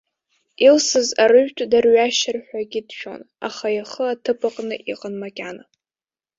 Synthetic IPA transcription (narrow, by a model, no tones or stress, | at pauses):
ilsɨzaɾɨɥᶣtʷʰʼdarɥaʃɪrħᶣʷaɡʲɪdʃᶣo̰n | a̰χajaχəatʰɨpʰʼaqʼnɨʔiqʼənmakʲʼana